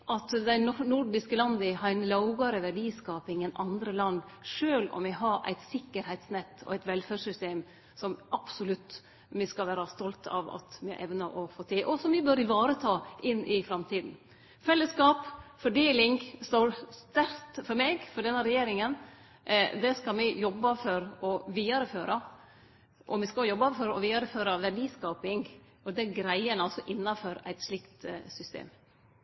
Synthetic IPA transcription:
ʔɑt̪d̪æɪnnʊɾɖɪskəlɑnd̪əhɑnlɑʊɡɑɾəʋæɖiːskɑːpɪŋɛnɑnd̪ɾəlɑnd̪ʂøːlɔ̰mʋɪɦɑɾʔæ̰ɪt̪sɪkːəɾhɛɪt̪snɛt̪ːɔ̰æɪt̪ʋɛlfæːʂʏst̪eːm | sɔmʔɑb̥sʊlʉt̪ː | mɪskɑʋæːɾɑst̪ɔlt̪ʰɑ̰ʋɑ̰t̪mɪ̰ʔɛʋnɑʔɔfoːt̪ʰɪʔɔsɔmʋɪbøɾɪʋɑːɾət̪ʰɑːʔɪnːʔɪfɾɑmt̪ʰiːd̪n̩ | fɛlːəskɑːpfɔɖeːlɪŋst̪oːɾst̪æɾt̪fɔɾmeːɡfɔɖɛnːəɾɛjeːɾɪŋən | d̪ɛskɑmɪjɔbːɑfɔɾɔʋiːɑɾəføːɾʔɑ | ʔɔmɪskɑjɔbːɑfɔɾɔ̰ʋiːɑɾəføːɾɑʋæɖiːskɑːpɪŋ | ɔd̪ɛɡɾæɪənəɔsɔʔɪnːɑfɔɾæ̰ɪt̪slɪkt̪sʏst̪ḛːm

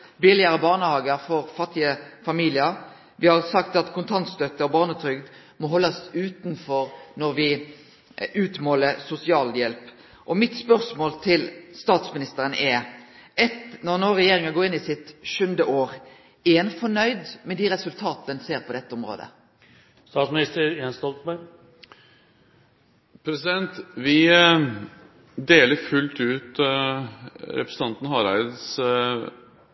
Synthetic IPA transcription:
bɪlɪəɾəbɑːʁnəhɑːɡəɾfɔɾfɑt̪ːɪəfɑmiːlɪəɾ | ʋɪhɑʁsɑkt̪ɑt̪kʰʊnt̪ʰɑnt̪st̪œt̪ːəɔbɑːʁnət̪ʰɾʏɡd̪ | mɔɦɔlːɑsʉːt̪nfɔɾnɔɾʋɪ | ʉːt̪moːləɾsʊsɪɑːljɛlp | ʔɔmɪt̪spœʁsmoːlt̪ʰɪlst̪ɑːt̪smɪnɪst̪əɾənʔɛɛt̪nɔʁnoːʁɛjeːɾɪŋɑɡoːɪnːɪsɪt̪ʃʉnd̪əʔoːʁ | ɛnfɔɳœʏd̪mɛd̪iʁɛsʉlt̪ʰɑːt̪əənseːɾpʰɔd̪ɛt̪ːəʊmɾo̰ːd̪ə̰ | st̪ɑːt̪smɪnɪst̪əɾjɛːnst̪ɔlt̪bæɾ | pʰɾɛsɪd̪ɛnt̪ʋɪ | d̪eːləɾfʉlt̪ʉːt̪ | ɾɛ̰pɾəsəɑnt̪n̩hɑɾæɪd̪s

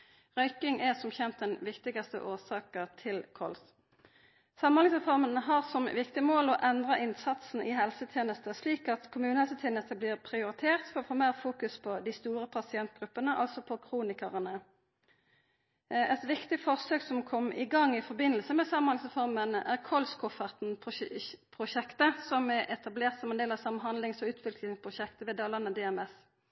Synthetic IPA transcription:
ʁœʏkɪŋʔɛsɔmçɛnt̪̚d̪ɛnʋɪkt̪ɪɡɑst̪ə̰ʔoːsɑːkəʁt̪ʰɪlkʰɔls | sɑmɔlɪŋsʁɛfɔʁmənɦɑʁsɔmʋɪkt̪ɪmoːlɔʔɛnd̪ʁɑʔɪnsɑt̪sn̩ʔɪɦɛlsət̪ʰjeːnəst̪əsliːkɑt̪kʰʊmʉːnəhɛlsət̪ʰjeːnəst̪əblɪːʁpʰʁɪʊʁɪt̪ʰeːʁt̪fɔʁɔfoːmeːʁfuːkʉspʰɔd̪ɪst̪uːʁəpʰɑsɪɛnt̪̚ɡ̥ʁʉpːənəʔɑ̰lsɔpʰɔkʰʁuːnɪkəʁənə | ɛt̪ʋɪkt̪ɪfɔʁsøːksɔmkʰɔmːʔɪ̰ɡɑŋːɪfɔʁbɪnːəlsəmɛsɑmhɑnsəfɔʁmənæʁkʰɔlskʰʊfəʁt̪n̩pʰpʰʁʊʃɛkt̪əsɔmɛʔɛt̪ʰɑbleːʁt̪sɔmɛnd̪eːlɑsɑmnɦɑnlɪŋsɔʉːt̪ʰʋɪklɪŋspʰʁʊʃɛkt̪əʋeːd̪ɑːlɑnːəd̪ɛɛmɛs

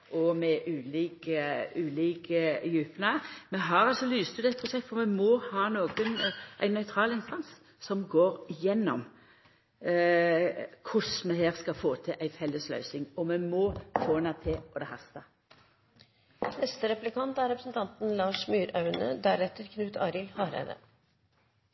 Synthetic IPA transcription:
ʔɔmɛʔʉːliːkəʉːliːkəjʉːpnəmɛɦɑɾɑlsɔlyːst̪ʉd̪ɛt̪̚pʰɾʊsɛkt̪fɔʁmɛmɔhɑːnoːɡənʔæɪnːœʏt̪ʰʁɑːlɪnst̪ɑns | sɔmɡoːɾɪjɛnːɔm | kʰʊsmɛɦeːʁskɑfoːt̪ʰɪʔæɪfɛlːəslœ̰ʏsɪŋɔmɛmɔːfoːnɑt̪ʰɪɔd̪ɛhɑst̪ɑ | nɛst̪əɾɛplɪkʰɑnt̪æɾɛpɾəsn̩t̪ʰɑnt̪n̩lɑːʂmyːɾɑʉnə̰d̪æɾɛt̪əɾkʰnʉːt̪ʰɑːɾɪlhɑːɾæ̰ʋ̪ə̰

